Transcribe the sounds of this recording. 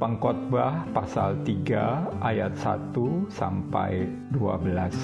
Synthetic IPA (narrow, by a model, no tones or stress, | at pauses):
pəŋkɔt̪̚bahpasalt̪iɡaajat̪̚sat̪usampa̰j | dua̰bəlas